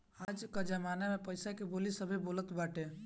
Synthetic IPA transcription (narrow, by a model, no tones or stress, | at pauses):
ad͡ʒkad͡ʒəmanamepəɪsakebolisəbʱebolət̪baʈe